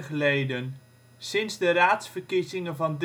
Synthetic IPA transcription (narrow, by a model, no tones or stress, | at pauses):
χəlejdən | sɪnzdəraːtsfəɹkizɪŋənvɑnd